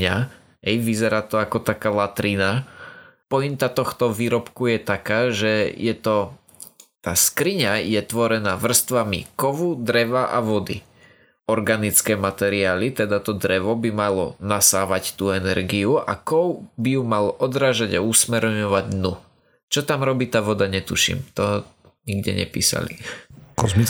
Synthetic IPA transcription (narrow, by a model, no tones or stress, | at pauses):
ɲa | ɦɛjʋizɛɾaːt̪ɔakɔt̪akaːlat̪ɾina | pɔint̪at̪ɔxt̪ɔʋiːɾɔpkujɛt̪akaːʒɛjɛt̪ɔ | t̪aːskɾiɲajɛt̪ʋɔɾɛnaːʋr̩st̪ʋamḭkɔʋud̪ɾɛʋaʔa̰ʋɔd̪ḭ | ɔɾɡanit͡skɛːmat̪ɛɾiaːlit̪ɛd̪at̪ɔd̪ɾɛʋɔbimalɔnasaːʋact̪uːɛnɛɾɡiuʔa̰kɔwbijumalɔʔɔd̪ɾaːʒaɟausmɛɾɲɔʋaɟnu | t͡ʃɔt̪amɾɔbiːt̪aːʋɔd̪aɲɛt̪uʃḭmt̪ɔ | ɲiɡɟɛ̰ɲɛ̰pḭːsa̰lḭkɔzmit͡s